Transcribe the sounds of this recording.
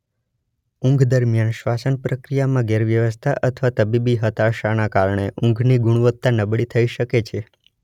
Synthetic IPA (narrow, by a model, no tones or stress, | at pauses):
ʊ̃ŋɡʱd̪əɾmijanʃʋasənpɾəkɾijamãɡeɾʋjəʋəst̪ʰaʔət̪ʰʋat̪əbibiɦət̪aʃanakaɾɳ̃eʔũŋɡʱniɡuɽ̃ʋət̪ːanəbɽit̪ʰəiʃəket͡ʃʰe